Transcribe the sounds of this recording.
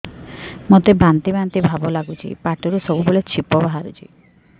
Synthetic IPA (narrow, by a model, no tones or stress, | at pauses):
mot̪ebant̪ibant̪ibʱabɔlaɡut͡ʃʰḭpaʈɔɾusɔbuboɭet͡ʃʰipɔbaɦaɾut͡ʃʰḭ